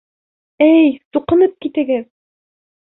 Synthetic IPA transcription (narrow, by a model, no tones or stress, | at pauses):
ɘjsuqɤ̆nɤp̚kit̪ɘ̆ɡɘð